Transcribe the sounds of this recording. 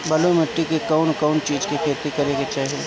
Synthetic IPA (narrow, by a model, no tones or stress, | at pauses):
bɐlomɐʈːikekɐʊnkɐʊnt͡ʃiːd͡ʒkikʰeːɾt̪ikɐɾeɡet͡ʃaːɦie